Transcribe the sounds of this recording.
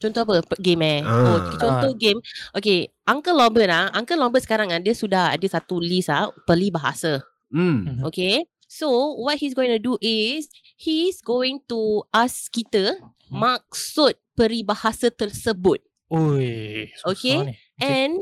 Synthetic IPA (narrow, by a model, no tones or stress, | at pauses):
t͡ʃɔnt̪oapəpɡemɛokt͡ʃɔnt̪oɡemʔokeʔãŋkəlɔbənaãŋkəlɔ̃bətsə̥kaɾaŋadəsudaha̰dəsat̪ulisapəlibaɦa̰sə | m̩oke | sowɔt̚his̬ɡoĩŋt̪uduʔɪs | hisɡowɪ̃ŋt̪uʔaskit̪ə | mak̚sut̪̚pəɾibahasət̪ərsəbʊt̪̚ | ojoke | ʔɛ̃n